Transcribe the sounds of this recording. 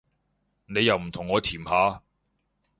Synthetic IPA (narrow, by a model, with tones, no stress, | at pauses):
ne˨˧jːɐ˨wm̩˨˩t̪ʰʊ˨˩ŋːɔː˨˧t̪ʰiː˨˩mhaː˨˧